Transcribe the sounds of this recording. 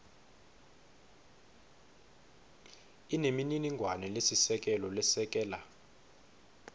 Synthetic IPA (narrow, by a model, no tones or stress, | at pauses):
inemininiŋɡʱwanɛlesisɛk̬ʼɛlɔlɛsɛk̬ʼɛːla